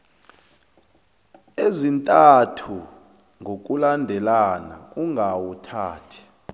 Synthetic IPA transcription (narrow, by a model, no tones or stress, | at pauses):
ezintʼatʰu | ŋɡʱok̬ʼulandʱɛlana̰uŋʱawutʰa̰ːtʰɛ̥